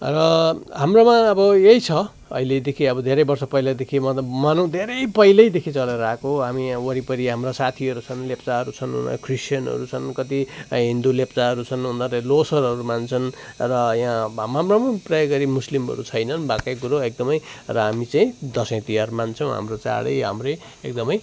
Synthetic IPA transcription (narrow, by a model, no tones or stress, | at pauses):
rʌɦamromãʌbʌjejt͡sʰʌ | ʌ̰iled̪ekʰiʌbʌd̪ʱeɾʌjbʌrsʌpʌjlad̪ekʰimʌmanʌw̃d̪ʱeɾʌjpʌjlʌjd̪ekʰit͡sʌleɾakoɦamiwʌɾipʌɾiɦamrasat̪ʰiʌɾut͡sʰʌnlept͡saɦʌɾut͡sʰʌnɦṵnʌ̰kʰrisʈjʌnʌ̰ɾut͡sʰʌnkʌt̪iɦind̪ulept͡saɦʌɾut͡sʰʌnɦund̪atelosʌɾɦʌɾumant͡sʰʌnrʌjãamɦamramʌprʌjʌɡʌɾimuslimɦʌ̰ɾut͡sʰʌjnʌnbakajɡuɾoek̚d̪ʌmʌjrʌɦamit͡saĩd̪ʌsʌ̃j̃t̪ijarmant͡sʰʌw̃ɦa̰mrot͡sa̰ɽʌ̰jɦa̰mrʌj | ek̚d̪ʌmʌj